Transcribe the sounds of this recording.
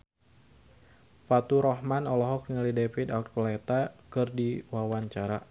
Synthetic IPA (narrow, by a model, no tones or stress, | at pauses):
fat̪uɾɔhmanɔlɔɦɔk̚nalidefid̪at̪̚kɔlet̪akɨrdiwawaɲt͡ʃaɾa